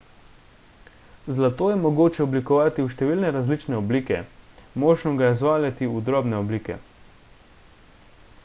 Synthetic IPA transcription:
zlat̪oːjɛmɔɡoːt͡ʃɛɔblikɔʋaːt̪iuʃt̪ɛʋiːlnɛɾazliːt͡ʃnɛɔbliːkɛ̰moːʒnɔɡajɛzʋaːljat̪iud̪ɾɔbnɛɔbliːkɛ̰

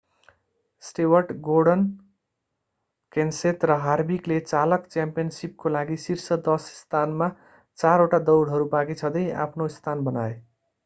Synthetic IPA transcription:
sʈewʌrʈɡoɖʌn | kenset̪rʌɦarbiklet͡salʌkt͡sjampijʌnsip̚kolaɡisirsʌd̪ʌsst̪ʰanma | t͡saɾoʈad̪ʌwɽɦʌɾubaɡit͡sʰʌd̪ʌja̰pʰnost̪ʰanbʌnae

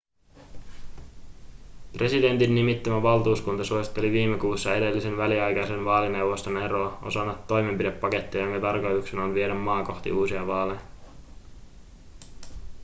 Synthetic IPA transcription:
pre̞side̞nt̪inːimit̪ːæmæʋɑlˠt̪uːskunt̪ɑsuosi̥t̪ːeliʋiːmːe̞kuːsːɑe̞de̞lːise̞nʋæliɑjkɑjse̞nʋɑːline̞wʋo̞st̪o̞ne̞ɾo̞ːo̞̰sɑnːɑt̪ːo̞jme̞mpidepːɑke̞t̪ːiɑjoŋkɑt̪ɑrkojuksenonʋieɾæmːɑːko̞xt̪ḭʔuːsiɑʋɑːleɑ

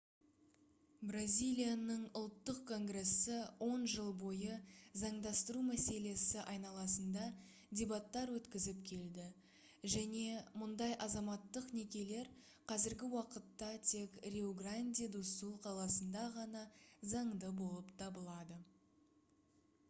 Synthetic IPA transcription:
brazʲijlʲijanəɴʊlˠt̪ːəqkʰːo̞ŋɡre̞sːɪwʔo̞nʒəlˠbo̞jəzɑɴd̪ɑst̪əɾumæse̞le̞sɪʔɑjnɑlˠɑsənd̪ɑ | dʲe̞bat̪ːɑɾwɵt̪kʲɪzɪpkʲʰe̞ld̪ɪ | ʒæne̞mʊnd̪ɑjʔɑzɑmɑt̪ːəqne̞kʲe̞le̞ɾ | qʰɑzɪɾɡʲɪwɑqət̪ːɑt̪ʰe̞krʲeoɡranʲd̪ʲid̪usulˠqʰɑlˠɑsənd̪ɑʁɑnɑzɑɴd̪əbo̞lˠəpt̪ʰɑbəlˠɑd̪ə

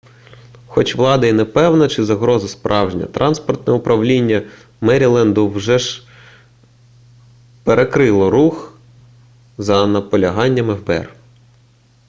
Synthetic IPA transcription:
xɔt͡ʃʋlˠɑd̪ɐjinɛpɛwnɐt͡ʃɪzɐɦɾɔzɐspɾʔɑwʒnʲɐ̰t̪ɾʔɑnspɔrt̪nɛʊpɾʔɐʋlʲinʲːɐ | mɛɾʲilˠɛnd̪ʊwʒɛʒ | peɾʔekɾɪlˠɔɾux | zɐnɐpɔlʲɐɦɑnʲːɐmɛwbɛ̰r

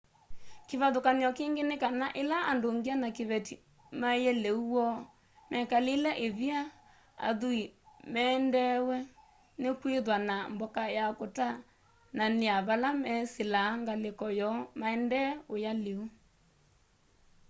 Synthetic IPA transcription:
keβaðokaniɔkeŋɡenekanaʔelaʔandoŋɡianakeβɛti | majɛleuwɔ | mɛkalelɛʔeðia | a̰ðuimɛːndɛwɛ | nekweðwanambɔkajakota | naneaβalamɛselaŋɡalekɔjɔmaɛndɛojaleu

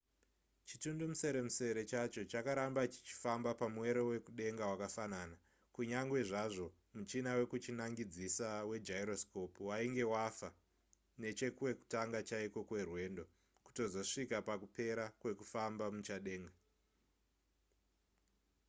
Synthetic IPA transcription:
t͡ʃitundomuse̞ɾe̞muse̞ɾe̞t͡ʃat͡ʃo̞t͡ʃakaɾambat͡ʃi̥t͡ʃi̥fambapamwe̞ɾo̞we̞kuɗe̞ŋɡawakafanaːna | kuɲaŋɡwe̞ʐaʐo̞ | mut͡ʃinawe̞kut͡ʃinaŋɡid͡zisawe̞d͡ʒaiɾosko̞puwaiŋɡe̞wafa | ne̞t͡ʃe̞kuwe̞ku̥taŋɡat͡ʃaiko̞kwe̞rwe̞ːndo̞ | ku̥to̞zo̞ʂikapakupe̞ɾakwe̞kufambamut͡ʃaɗe̞ːŋɡa

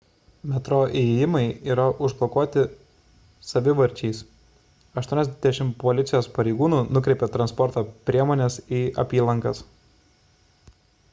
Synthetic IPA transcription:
mʲɛt̪ɾoːʔejɪmɐɪiːɾɐʔʊʒblˠɔkuɔt̪ʲɪ | sɐʋʲɪʋɐɾʲˑt͡ʃʲɛɪs | ɐʃt̪uɔnʲɛzʲd̪ʲɛʃʲɪmpɔlʲɪt̪sʲɪjoːspɐɾʲɛɪɡuːnuːnʊkɾʲɛɪpʲɛt̪ɾɐnspɔɾt̪oːpʲɾʲiɛmoːnʲɛsiːɐ̰pʲiːlˠɐŋkɐs

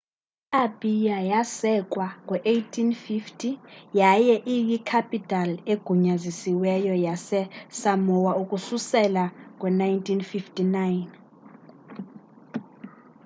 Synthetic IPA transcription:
abʼijajasɛkʼwaŋwɛʔejtʰinfiftʰʼijajɛʔijikʰapʼitʰʼaleɡ̥ʱuɲazisiwɛjɔjasɛsamɔwaukʼususɛlak̬ʼwɛnajntʰinfiftʼinajn

